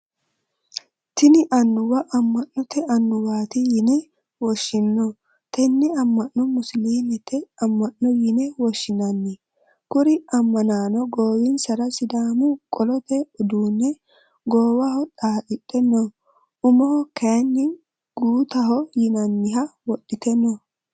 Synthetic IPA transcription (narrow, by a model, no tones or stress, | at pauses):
t̪ɪnɪʔɐnːʊwɐʔɐmːɐnːɔt̪ɛʔɐnːʊwaːt̪ɪjɪnɛ | wɔʃːɪnːɔ | t̪ɛnːɪɐmːɐnːɔmʊsliːnɛt̪ːɛɐmːɐnːɔjɪnɛwɔʃːɪnɐnːɪ | kʊɾɪɐmːɐnaːnɔɡoːwɪnsɐɾɐsɪd̪aːmʊkʼɔlɔt̪ɛʊd̪uːnːɛ | ɡoːwɐhɔᶑaːɗɪɗɛnːɔ | ʊmɔhɔkɛnːɪ | ɡ̥uːt̪ɐɦɔjɪnɐnːɪɦɐwɔɗːɪt̪ɛnːɔ